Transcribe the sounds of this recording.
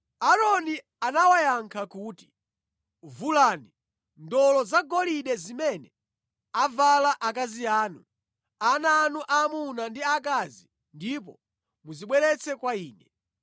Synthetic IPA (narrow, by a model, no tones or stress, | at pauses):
aɾɔni | anawajaŋkʰakuːti̥ | vulani | ndɔlɔzaɡɔliɗɛzimɛnɛ | avalaʔakaziaːnu | anaːnuʔamunandiakazi | ndip̬ɔ | muziɓwɛɾɛt͡sʰɛkwaiːnɛ